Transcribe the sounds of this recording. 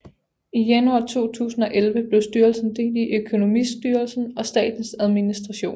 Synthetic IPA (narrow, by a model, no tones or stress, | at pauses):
ijænuɑ̰̈ːt͡sʰo̝̰ːt͡sʰṵːsn̩ɒ̽ʔelʋəb̥le̝ʊsd̥yɐlsn̩d̥e̝̰diʔøkʰo̝no̝misd̥yːɐɐlsn̩ɒ̽sd̥ɛ̰ːd̥n̩sæð̞ˠminisd̥ʁɑ̈ɕo̝̰ːn